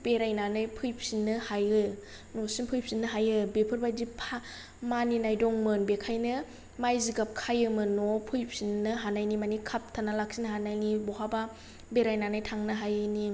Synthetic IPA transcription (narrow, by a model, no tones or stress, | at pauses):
b̥eɾajnanɯjpʰɯjpʰsinːɯhajɯ | nɔsinpʰɯjpʰsinːɯɦajɯbepʰɯɾbajdipʰa | maninajdɔŋmɯnbekʰajnɯ | majziɡap̚kʰajɯmɯnɔpʰɯjpʰsinːɯɦanajnimanikʰap̚tʰanalak̚sinɦanajnibɔɦaba | beɾajnanajtʰaŋnɯɦajɯni